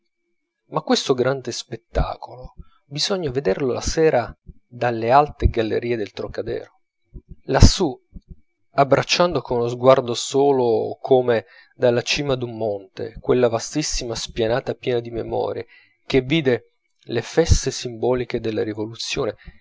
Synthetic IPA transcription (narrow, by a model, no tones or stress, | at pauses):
makːwest̪oɡɾand̪espet̪ːa̰ːkolo | bizɔɲːaved̪erlola̰sɛːɾa | d̪alːealt̪eɡalːḛɾiːed̪elt̪ɾokad̪ɛ̰ːɾo | lasːu | abːɾat͡ʃːand̪okonulozɡward̪osoːlokʰome | d̪alːat͡ʃiːmad̪umːont̪ḛkwelːavast̪isːimaspjanaːt̪apjɛːnad̪imemɔ̰ːɾje | k̟evːiːd̪e | lefɛst̪esimbɔːlik̟ed̪elːaɾivolut̪sːjoːne